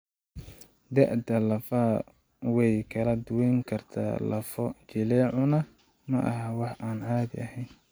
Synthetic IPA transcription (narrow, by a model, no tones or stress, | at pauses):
d̪ɐʕd̪ɐlɐfaː | wɛjkʰɐlɐd̪ʊwɛjŋkʰɐrt̪ʰa̰ːlɐ̰fɔt͡ʃɪlɛːʕʊnɐ | mɐʔɐ̰ɦɐwɑħʔaːnʕaːd̪ɪ̰ɐɦɛjn